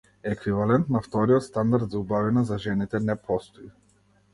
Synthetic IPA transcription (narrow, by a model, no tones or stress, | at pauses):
ɛːkvivalɛnt̪naft̪ɔɾijɔt̪st̪and̪aɾd̪zaubavinazaʒɛnit̪ɛnɛpʰɔst̪ɔi